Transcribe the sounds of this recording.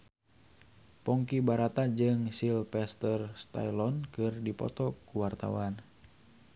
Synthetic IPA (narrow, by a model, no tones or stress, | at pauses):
pɔŋkibaɾat̪ad͡ʒɨŋsilpɛst̪ərst̪a̰jlɔnkɨrdipɔ̰t̪ɔkuwart̪a̰wan